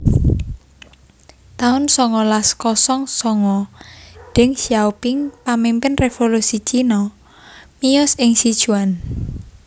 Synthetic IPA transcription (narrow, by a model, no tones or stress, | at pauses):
t̪aʊnsɔŋɔlaskɔsɔŋsɔŋɔ | ɖ̥ɪŋsiaupɪŋpamimpɪnrefolusit͡ʃinɔ | mijɔsɪŋsid̥ʒ̥uan